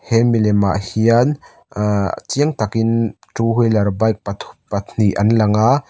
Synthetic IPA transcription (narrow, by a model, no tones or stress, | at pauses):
hɛmilɛmaʔhian̰ | t͡siəŋt̪ɐkin | tuɦujlɐɾbajk̚pat̪ʰu̥pan̥iʔɐnlɐŋa